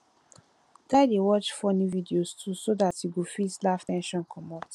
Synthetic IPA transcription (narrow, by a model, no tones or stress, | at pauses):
taɪdewɔt͡ʃfɔnividiostʰusodatiɡofitlaftɛ̃nʃɔ̃nkʰɔmɔt